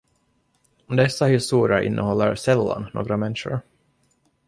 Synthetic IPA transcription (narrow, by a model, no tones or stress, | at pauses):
d̪ɛsːahɪst̪uːɾɪəɾʔɪ̰nːʔəhɔlːəɾsɛlːa̰nno̰ːɡɾamɛnʂʊ̰ɾ